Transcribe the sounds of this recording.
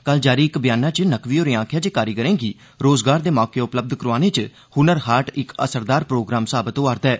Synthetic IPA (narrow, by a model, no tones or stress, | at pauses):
kəld͡ʒaːɾiːɪkbɪjaːnaːt͡ʃənəkʋiːoːɾiːãːkʰjaːd͡ʒeːkaːɾiːkəɾẽːɡiː | ɾoːzɡaːɾd̪eːmɔːkeːʊpləb̚d̪kəɾʋaːneːt͡ʃ | hʊnəɾɦaːʈɪkə̰səɾd̪aːɾpɾoːɡɾaːmsaːbət̪oaːɾt̪ɛː